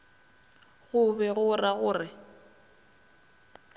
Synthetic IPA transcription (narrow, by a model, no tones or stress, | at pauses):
ɣʊbɛɣʊraɣʊːrɪ